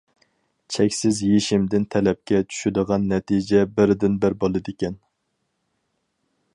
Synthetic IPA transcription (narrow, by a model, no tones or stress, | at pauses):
t͡ʃʰɛkʲsɪzjeʃɪmd̪ɪnt̪ʰɛlɛp̚kʲɛt͡ʃʰy̥ʃyd̪əʁɑnːɛt̪ʰid͡ʒɛbɪɾd̪ɪnbɪɾbolˠɨd̪ɪkʲɛn